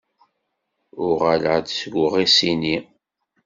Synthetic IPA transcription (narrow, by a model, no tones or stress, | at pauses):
ʊʁaləʁd̪sɡʷəʁisini